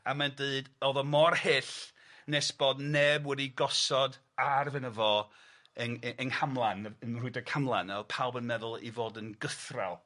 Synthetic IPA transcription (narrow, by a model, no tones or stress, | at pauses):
amandəɨdɔðɔmɔrhɪɬ | nesb̥oːdnɛbwɛdiɡɔsɔd | arvɛnəvɔ | ənʔənhamlˠanəənrʊɨdɔkʰamlˠa̰nɛpʰawˠbənmɛðʊlˠḭvoːdənɡəθra̰lˠ